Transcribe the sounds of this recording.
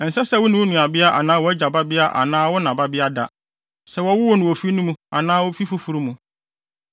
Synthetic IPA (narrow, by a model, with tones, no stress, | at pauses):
n̩˨sɛ˦sɛ˦wʊ˦nʊ̃˨wʊ˦nũ˨a˨bɪ˦a˦ʔa̰˨nãː˦wɔ˦d͡ʑa˨ba˦bɪ˦a˦ʔa̰˨nãː˦wʊ˦nã˨ba˦bɪ˦a˦da̰˨ | sɛ˨wɔ˦wʊ˦wʊ˦nʊ̃˨wo˨fi˦nũ˦mũ˦a˨nãː˦wʊ˦fi˦fʊ˦fu˨ɾu˦mũ˨